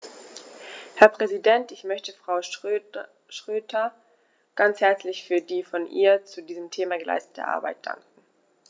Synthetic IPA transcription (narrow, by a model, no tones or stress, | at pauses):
hɛɐpʁ̥ɛzidɛntɪçmœçtəfʁ̥aʊ | ʃʁ̥øːtʰɐ | ɡ̥ant͡shɛɐt͡slɪçfyːɐdiːfɔnʔḭːɐt͡sudiːzəmtʰeːmaɡəla̰ɪstə̥tʰə̰ʔa̰ːɐba̰ɪt̚d̥a̰ŋkŋ̩